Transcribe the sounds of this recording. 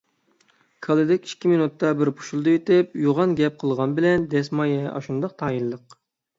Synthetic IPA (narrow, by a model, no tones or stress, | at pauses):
kʰɑlˠɨd̪ɛkʲi̥ʃkʲiminut̪ːɑbɪɾpʰu̥ʃulˠd̪ɨet̪ɪp̚juʁɑnɡʲɛp̚qʰəlˠʁɑnbɪlɛnd̪ɛsmɑjɛɑ̰ʃund̪ɑq̚t̪ʰɑːjilːəq